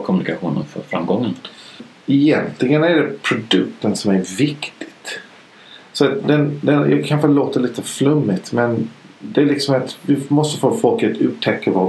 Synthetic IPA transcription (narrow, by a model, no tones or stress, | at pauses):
kʰɔmɵnɪkaɧuːnə̰nfœ̰ɾfɾamːɡɔŋːən | ɪjɛnt̪ʰlɪɡənæɖɛpʰɾʊd̪ɵkt̪ənsɔmæɾvɪkt̪ʰɪ̥t̪ | sɔat̪d̪ɛnd̪ɛnjɑ̰ːɡkʰanɧəloːt̪əɭiːt̪əflɵmːɪt̪mɛn | d̪ɛːlɪksɔmat̪vɪmɔst̪əfoːfɔlkət̪ʰʉ̟ːʈ̪ʰɛkːəɾvɑ